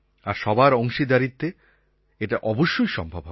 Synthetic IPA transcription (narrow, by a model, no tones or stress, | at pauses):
aɾʃɔbaɾoŋʃid̪aɾit̪ːe | eʈaʔɔboʃːojʃɔ̰mbʱabʱɦɔ